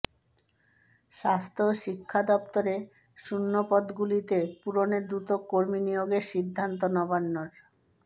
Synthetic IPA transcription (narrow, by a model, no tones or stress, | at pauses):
ʃast̪ʰoʃikʰːad̪ɔpt̪oɾe | ʃunːopɔd̪ɡulit̪epuɾoneɾd̪ɾut̪okoɾminijoɡeɾʃid̪ʱːant̪̬onɔbanːoɾ